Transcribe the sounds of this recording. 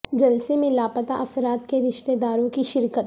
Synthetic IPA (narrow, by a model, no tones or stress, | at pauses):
d͡ʒɐlsemẽlaːpət̪aʔɐfɾaːt̪keɾɪʃt̪ed̪aːɾõkiʃɪɾkət̪